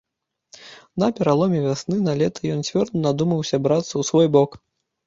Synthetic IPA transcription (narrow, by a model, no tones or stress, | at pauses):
nɐpʲɛɾalˠɔmʲɛvʲasnɨnalʲɛt̪ʰɐjɔnt͡sʲvʲɔrd̪ɐnad̪umɐwsʲɐbɾat̪sːɐwsvɔjbɔk